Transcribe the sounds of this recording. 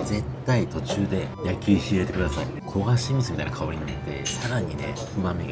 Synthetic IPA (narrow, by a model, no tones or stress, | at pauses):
ze̞t̪ːait̪o̞t͡ɕɨːd̪e̞jakʲɨçiet̪e̞kɯ̟d̪asai | kʰo̞ɡaɕims̬ɨmʲit̪ainakʰaoɾiɲiat̪ːe̞̰saɾaɲ̟ine̞̰ | ɸɯbãmːeɡ